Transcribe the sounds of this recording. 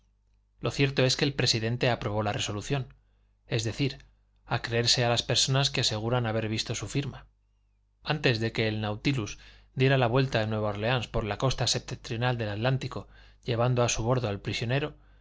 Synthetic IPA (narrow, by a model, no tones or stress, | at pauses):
lo̞θje̞ɾt̪o̞e̞skeːlpɾe̞siðe̞nt̪e̞apɾo̞β̞o̞lare̞so̞luθjo̞n | e̞zðe̞θiɾ | akɾe̞eɾse̞alaspe̞ɾso̞naskease̞ɣ̞uɾanaβ̞e̞ɾβ̞ist̪o̞sufiɾma | ant̪e̞zðe̞ke̞ːlnawt̪iluz | d̪je̞ɾalaβwe̞lt̪aenwe̞βaoɾle̞anspo̞ɾlako̞st̪ase̞p̚t̪et̪ɾjo̞nald̪e̞lat̪lant̪iko̞ | ʎe̞β̞and̪o̞asuβ̞o̞ɾðoalpɾisjo̞ne̞ɾo̞